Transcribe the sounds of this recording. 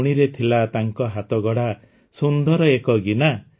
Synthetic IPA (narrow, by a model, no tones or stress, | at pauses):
ɽ̃iɾet̪ʰilat̪aŋkɔɦat̪ɔɡɔɽa | sund̪ɔɾɔekɔɡina